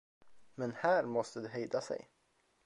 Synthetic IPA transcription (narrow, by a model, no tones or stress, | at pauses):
mɛnhæːɾmɔst̪əd̪ɛɦejd̪asɛ̰j